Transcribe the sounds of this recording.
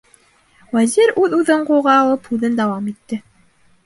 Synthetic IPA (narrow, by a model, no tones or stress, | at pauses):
wæziɾʉðʉðɘɴquʁɑːlˠɤphʉðɘnd̪æwɑmit̪ːɘ